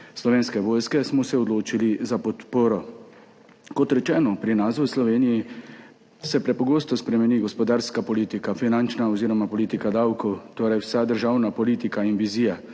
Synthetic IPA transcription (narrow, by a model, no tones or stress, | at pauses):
slɔʋeːnskɛʋoːjskɛsmɔsɛɔd̪loːt͡ʃilizapɔt̪poːɾɔ | kɔt̪ɾɛt͡ʃɛːnɔpɾinasuslɔʋeːniji | sɛpɾɛpɔɡoːst̪ɔspɾɛmɛniːɡɔspɔd̪aːɾskapɔliːt̪ikafinant͡ʃnaɔziːɾɔmapɔliːt̪ikad̪awkɔwt̪oːɾajwsad̪əɾʒawnapɔliːt̪ikainʋiziːja